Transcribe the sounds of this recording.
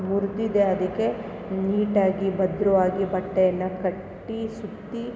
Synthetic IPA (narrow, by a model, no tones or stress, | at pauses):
muɾd̪id̪eɐd̪ɐkːe̞ | niːʈaːɡibɐd̪ɾuʋaːɡibɐʈːejɐnːɐkɐʈːisut̪ːi